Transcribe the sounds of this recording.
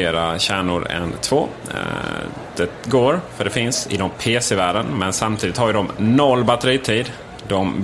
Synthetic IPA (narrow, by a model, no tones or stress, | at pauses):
eːɾaɕæːɳʊɾɛ̰nt̪ʰvo̰ː | d̪̥ɛɡoːɾfœɖɛfɪnsɪ̰d̪ɔmpʰeːsɛvæːɖənmɛnsamt̪ʰiːd̪ɪt̪haɾjɖ̪ɔmnɔlːbat̪ɛɾiːt̪ʰiːd̪ | d̪ɔm